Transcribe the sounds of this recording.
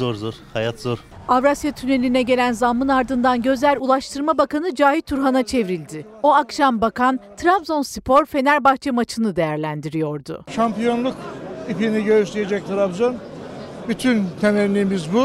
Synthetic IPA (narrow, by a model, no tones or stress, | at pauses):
oɾzoɾ̥hajat̪zoɾ | avɾasjat̪ʰyne̞lʲinɛɟe̞lʲænzamːɯnaɾd̪ɯnd̪anɟø̞zælʲulˠaʃt̪ʰɯɾmabakanɯd͡ʒaːɦit̪ʰːuɾɦanat͡ʃʰe̞vɾilʲd̪ɪ | o̞akʃambakʰant̪ʰɾabzo̞nsipʰo̞ɾfe̞næɾbaxt͡ʃʰɛmat͡ʃʰɯnɯd̪e̞jæɾlʲænd̪iɾijo̞ɾd̪ʊ̰ʃampijo̞nlˠukipiniɟøɾyʃt̪ijed͡ʒɛc̚t̪ʰɾapzon | byt̪ʰynt̪ʰemɛɾlʲiːmizbu